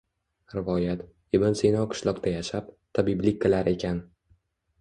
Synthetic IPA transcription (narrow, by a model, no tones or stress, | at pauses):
ɾɪvɒjat̪ | ɪbɪnsejnɒwqʰɨ̥ʃlˠɒqt̪ajaʃap̚t̪ʰabiblɪkʲːɨlaɾe̞kʲʰan